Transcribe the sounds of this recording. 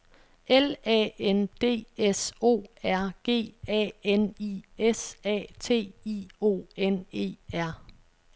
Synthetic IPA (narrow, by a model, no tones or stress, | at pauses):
elɛ̰end̥e̝̰ːeso̝̰ːæɐ̰ɡ̥e̝̰ːɛ̰eniesɛ̰ːt͡sʰe̝̰ːiːo̝̰ːene̝̰ːæɐ̰